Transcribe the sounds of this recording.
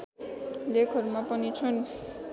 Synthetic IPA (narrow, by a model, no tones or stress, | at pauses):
lekʰʌɾumapʌnit͡sʰʌn